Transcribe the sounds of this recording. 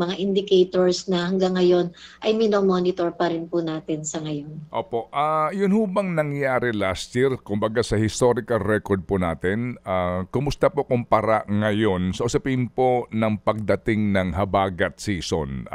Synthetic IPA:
mɐŋaʔɪnd̪ɪkɛjt̪oɹsnɐhɐŋɡaŋːɐjo̞nʔɐjmɪnomonɪt̪oɹpɐɾɪnpʊnaːt̪ɪnsɐŋɐjonʔoːpoʔʔajʊnhubɐŋnɐŋjaːɾɛlast̪t͡ʃiɾkʊmbɐɡasɐhɪst̪oɾɪkɐlɾɛkoɹd̪̚pʊnaːt̪ɪnakʊmʊst̪ɐpokʊmpɐɾaŋɐjo̞nsɐʔʊsɐpɪnpo̞nɐŋpɐɡ̚d̪ɐt̪ɪŋnɐŋhɐbaːɡɐt̪̚siːso̰n

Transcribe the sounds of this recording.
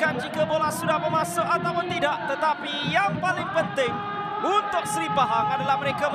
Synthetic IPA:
and͡ʒikabolahsudahbəmãsʊkat̪awpʊnt̪idaʔt̪ət̪apijaŋpalɪŋpənt̪ɪŋ | unt̪ʊk̚səɾibaɦaŋadalahməɾekam

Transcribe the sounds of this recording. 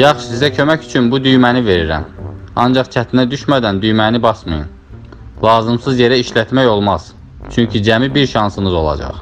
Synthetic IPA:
jɑχʃu̥sizæcʰø̞mæcy̥t͡ʃʰynbud̪yjmænive̞ɾiɾæ̰mɑ̰nd͡ʒɑχt͡ʃʰæt̪ʰinæd̪yʃmæd̪ænd̪yjmænibɑsmɯ̰jɯ̰n | lˠɑːzɯmsɯzje̞ɾæiʃlæt̪mæjo̞lˠmɑz̥ | t͡ʃʰyɲcʰid͡ʒæmibiɾʃɑnsɯnɯzo̞lˠɑ̰d͡ʒɑ̰χ

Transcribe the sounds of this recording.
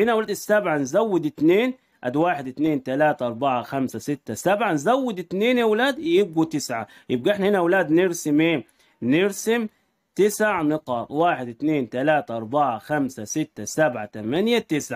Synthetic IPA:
hɪnawlaːd̪ɪsːabʕanzawːɪd̪ɪt̪neːn | ʔad̪waːħɪd̪ɪt̪neːnt̪alaːt̪aʔɑɾˤbaʕaxamsasɪt̪ːasabʕanzawːɪd̪ɪt̪neːnewlaːd̪jɪb̚ɡut̪ɪsʕa̰jɪb̚ɡaɪħnahɪnawlaːd̪nɪɾsɪmʔeː | nɪɾsɪm | t̪ɪsaʕnɪqɑːt̪ˤwaːħɪd̪ɪt̪neːnt̪alaːt̪aʔɑɾˤbaʕaxamsasɪt̪ːasabʕat̪amanjat̪ɪsʕa

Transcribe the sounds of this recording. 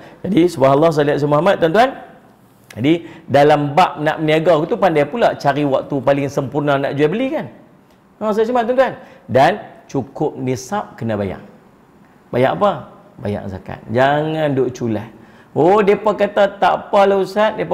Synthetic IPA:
d͡ʒadisubahlːɑhs̬aliaʔ̪s̬amuɦamat̪ːant̪uɦan | d͡ʒadidalambaʔ̚naʔməniaɡakut̪upandajpulaʔt͡ʃaɾiwak̚t̪upalɪŋsəmpurnanaʔd͡ʒuabəlikan | as̬aaʔsiamat̪ːuant̪uandant͡ʃukʊp̚nisap̚kənabaja̰ʔ | baja̰ʔapa | ba̰ja̰ʔsa̰ka̰t̪̚d͡ʒaŋandoʔt͡ʃulah | odepakat̪at̪a̰palausat̪̚diep

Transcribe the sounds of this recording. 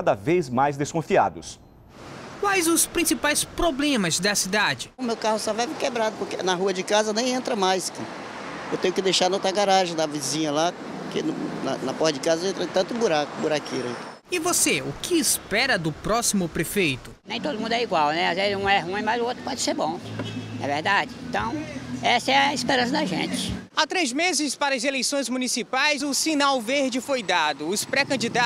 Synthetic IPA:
ad̪ɐvejzmajzd̪eskõfia̰d̪ʊ̰s | kwajzʊspɾĩsipajspɾoblẽmɐzd̪ɐsid̪ad͡ʒɪʊmewkahʊst̪avajvikebɾad̪ʊpoɾkḛnɐɦuɐd͡ʒɪkazɐnẽj̃ẽnt̪ɾɐmajskĩ | ewt̪ẽɲjʊkɪd̪ejʃaɾnot̪aɡaɾaʒẽd̪ɐvizĩɲɐla | kḛnʊnɐ̰nɐpɔht̪ɐd͡ʒɪkazɐẽt̪ɾɐt̪ɐ̃nt̪ʊ̃buɾakʊbuɾakeɾɐĩ | ɪvoseʊkʰɪːspɛɾɐd̪ʊpɾɔsimʊpɾefejt̪ʊ̥nẽj̃t̪od̪ʊmũnd̪ɛiɡwawnɛazvezɪzũɛɦũĩmajzʊot̪ɾʊpɔd͡ʒɪseɾbõɛ̰veɾd̪ad͡ʒɪẽt̪ɐ̃w̃ɛsɐɛɐispeɾɐ̃sɐd̪ɐʒḛ̃t͡ʃɪ̥ | at̪ɾezmezɪspaɾɐɐzelejsõj̃zmunisipajzʊsinawveɾd͡ʒɪfojd̪ad̪ʊʊspɾɛkɐ̃d͡ʒid̪a

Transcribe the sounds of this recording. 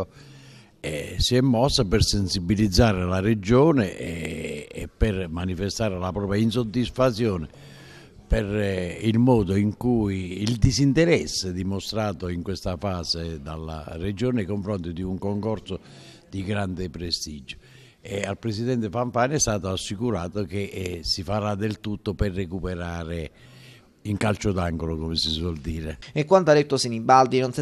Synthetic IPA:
ɛsiɛmːɔsːapɪrsensibilid̪zːaːɾɪlared͡ʒɔːnɪɛː | pːɪrmanifest̪aːɾelapɾɔːpjainsod̪ːisfat̪sːjɔːnɪ | pɛrilmɔːd̪oiŋkujːld̪isint̪ɛɾɛsːed̪imost̪ɾaːt̪oiŋkwest̪afaːzed̪a̰lːa̰red͡ʒoːnakoɱfɾɔnt̪id̪iuŋkoŋkɔɾt̪so | d̪iɡɾand̪ɪpɾest̪id͡ʒo̥ | ɛalpɾesid̪ɛnt̪efaɱfaːnɛst̪aːt̪oasːikuɾaːt̪okesifaɾad̪ːelt̪ut̪ːopɛrːekupɛɾaːɾɪ | iŋkalt͡ʃod̪aŋɡolokɔmɪsiswɔld̪iːɾɪekːwant̪oad̪et̪ːosinibːald̪inons

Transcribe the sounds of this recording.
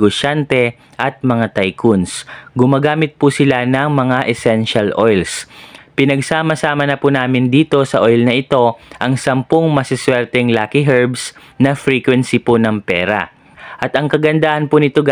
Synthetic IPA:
ɡoʃant̪ɛ | ʔɐt̪̚mɐŋat̪ajkʰʊnsɡʊmaːɡaːmɪt̪̚pʊsɪlanɐŋmɐŋaʔɛsɛnʃɐlʔojlspɪnɐɡsaːmɐsaːmɐnɐpunaːmɪnd̪iːt̪o̞sɐʔo̞jlnɐʔɪt̪o̞ʔɐŋsɐmpoŋmɐsɪswɛɾt̪ɛŋlaːkɪɦɛɹbs | nɐfɾiːkwɛnsipʊnɐŋpɛːɾɐ̰ | ʔɐt̪ɐŋkɐɡɐnd̪aʔɐnpʊnɪt̪o

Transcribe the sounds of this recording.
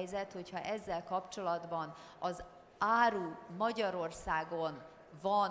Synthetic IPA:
jzɛt̪ho̞chɒʔɛzːɛlkɒpt͡ʃo̞lɒd̪bɒn | ɒz | aːɾuːmɒɟɒɾo̞rsaːɡo̞n | vɒn

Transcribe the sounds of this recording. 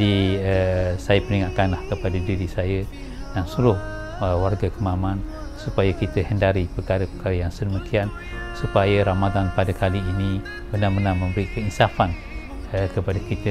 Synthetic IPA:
diəsajəpəniŋaʔkanlahkəpadadiɾisajə | jaŋsuɾʊh | əwarɡakəmamãn | supajakit̪əhəndaɾipəkaɾəpəkaɾəjaŋsədəmikian | supajəɾamat̪anpadakaliːnĩ | bənarmənarmə̃mbəɾikəinsafan | əkəpadakit̪ə

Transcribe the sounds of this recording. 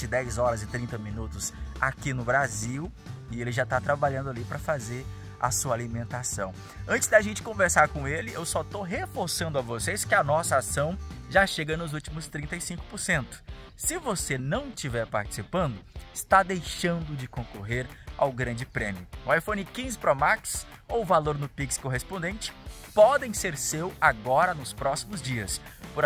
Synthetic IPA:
ɪd̪ɛjzɔɾɐzɪt̪ɾĩnt̪ɐmĩnut̪ʊsakinʊbɾaziw | ɪelɪʒat̪at̪ɾabaʎɐ̃nd̪ʊalipɾɐfazeɾ | ɐ̰suɐalimẽnt̪asɐ̰̃w̃ | ɐ̃nt͡ʃɪ̥zd̪aʒẽnt͡ʃɪ̥kõveɾsaɾkõelɪʔewsɔt̪oɦefoɾsɐ̃nd̪ʊɐvoseskɪɐnɔsɐasɐ̃w̃ʒaʃeɡɐnʊzut͡ʃimʊst̪ɾĩnt̪ɐɪsĩŋkʊ̥poɾsẽnt̪ʊ̥ | sɪvosenɐ̃w̃ɪstt͡ʃivɛɾpa̰ɾt͡ʃɪ̥sipɐ̃nd̪ʊɪst̪ad̪ejʃɐ̃nd̪ʊd͡ʒɪkõkoɦeɾa̰wɡɾɐ̃d͡ʒɪpɾẽmiʊʊajfõnɪkĩzɪpɾɔmaks | owvaloɾnʊpikskoɦespõd̪ẽnt͡ʃɪ̥pɔd̪ẽj̃seɾsewaɡɔɾɐnʊspɾɔsimʊzd͡ʒiɐspoɾ

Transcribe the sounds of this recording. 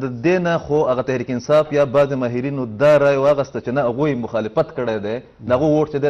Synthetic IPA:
d̪əd̪enaxoaɣat̪ahɾiːkɪnsɑːfjɑbɑːzemɑɦiɾinod̪ɑɾɑːjwɑɣəst̪at͡ʃenaaɣujemʊxɑːlɪfɐt̪kəɽed̪e | d̪əaɣowoʈt͡ʃed̪e

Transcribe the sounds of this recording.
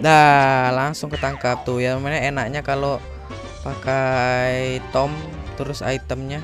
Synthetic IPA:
dalaŋsʊŋkət̪aŋkap̚t̪ujamaɲaenak̚ɲakalo | pakajt̪ɔmt̪əɾʊsa̰it̪əmɲa

